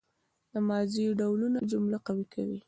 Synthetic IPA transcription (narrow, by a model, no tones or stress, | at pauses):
d̪əmɑziɖawlunad͡ʒʊmlaqawikʰa̰wḭ